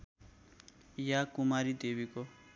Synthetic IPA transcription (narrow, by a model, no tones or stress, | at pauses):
jakumaɾid̪ebiko